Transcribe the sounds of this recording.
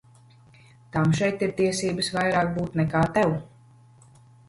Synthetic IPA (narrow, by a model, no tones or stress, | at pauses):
t̪amʃɛjt̪iɾt̪iɛsiːbəsvajɾaːk̚buːt̪nɛkaːt̪ɛw